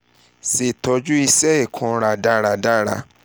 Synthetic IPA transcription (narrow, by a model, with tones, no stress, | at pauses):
se˨tɔ˧d͡ʒu˦i˧sɛ˦i˦˨kʰɔ̃˧ɾa˧˨da˦ɾa˧˨da˦ɾa̰˧